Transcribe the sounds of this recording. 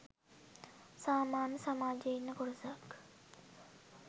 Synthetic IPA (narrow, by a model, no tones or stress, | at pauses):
saːmaːnəsamaːd͡ʒeinːəkoɾusak